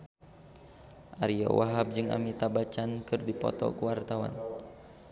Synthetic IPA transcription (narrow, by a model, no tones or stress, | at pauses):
ʔaɾiɔ̰wʔaɦab̚d͡ʒɨŋa̰mit̪abat͡ʃankɨrdipɔ̰t̪ɔ̰kəwart̪awa̰n